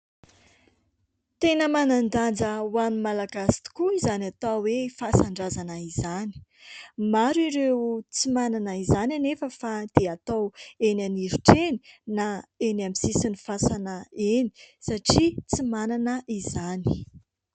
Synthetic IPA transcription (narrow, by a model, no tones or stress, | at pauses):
t̪enəmanand̪and͡zəwamimalaɡasi̥t̪i̥kuizanat̪awefasaɳɖ͡ʐazanəizani̥maɾiɾewt͡simananəizananefəfad̪̥eat̪awenaniɾuʈ͡ʂeni̥naenamisisinifasanəeni̥saʈ͡ʂit͡simananəʔizani̥